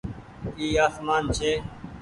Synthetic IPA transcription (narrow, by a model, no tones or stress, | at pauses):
iːaːsmaːnt͡ʃʰeː